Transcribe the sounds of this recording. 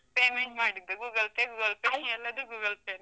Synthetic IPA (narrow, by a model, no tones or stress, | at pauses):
peːmeɳʈmaːɽid̪ːuɡuːɡɐlpeɡuːɡɐlpeːnɛlːɐd̪uɡuːɡɐlpeːn